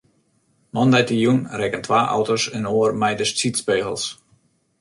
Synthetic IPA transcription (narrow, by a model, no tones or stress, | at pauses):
mɔndɛjtəjunrɛkəntʰʋaːʔɔ̰wtosənoːərmɛjdəst͡sitspeːɣə̰lˠs